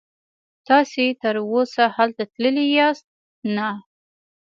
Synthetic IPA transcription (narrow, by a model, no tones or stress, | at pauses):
t̪ɑset̪əɾwosahalt̪at̪ləlijɑst̪̚ | na